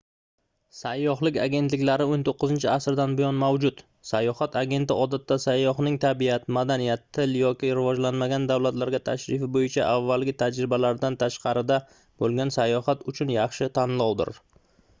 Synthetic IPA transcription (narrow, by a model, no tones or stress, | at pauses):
sajːɒɦlɪkʲaɡʲe̞nt̪lɪkʲlaɾɪont̪ʰoqʰːɨzɪnt͡ʃʰɪasɾd̪anbɪjɒnmawd͡ʒʊt̪ | sajːɒhat̪ʰaɡʲe̞nt̪ɪɒd̪at̪ːasajːɒɦnɪŋt̪ʰabiat̪mad̪anijat̪ʰːɪljɒkʲɪɾɪvɒd͡ʒlanmaɡʲand̪awlat̪laɾɡʲat̪ʰaʃɾɪfɪbojɪt͡ʃʰaʔavːalɡʲɪt̪ʰad͡ʒɾɪbalaɾd̪ant̪ʰaʃqʰɑɾɪd̪a | b̥olˠɡʲansajːɒhat̪ʊt͡ʃʰʊnjɑχʃɪt̪ʰanlˠɒwd̪ɪ̰ɾ